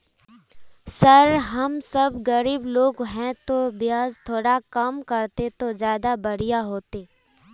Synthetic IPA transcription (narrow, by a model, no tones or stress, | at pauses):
sɐɾɦɐmsɐbɡəɾiːbloːɡɦɛ̃t̪objaːzt̪ʰoːɽakɐmkɐɾt̪et̪ozjaːd̪abɐɽijaɦoːt̪eː